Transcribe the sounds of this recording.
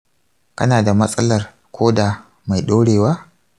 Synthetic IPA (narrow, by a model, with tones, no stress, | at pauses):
kɐ̰˦naː˨da˨mɐ˦sʼɐ˦lɐ˨r | kʰʷoː˦da˨ | ma˨jɗoː˦ɽeː˨waː˦